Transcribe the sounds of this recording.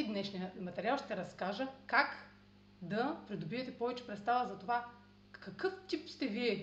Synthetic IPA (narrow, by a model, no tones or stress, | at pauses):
d̪nɛʃnijəmɐt̪ɛɾʲialˠʃt̪ɛɾɐskaʒəkak | d̪ɐpɾid̪obiɛt̪ɛpɔvɛt͡ʃɛ̥pɾɛt̪st̪avɐzɐt̪ova | kɐkɤft̪ipst̪ɛviɛ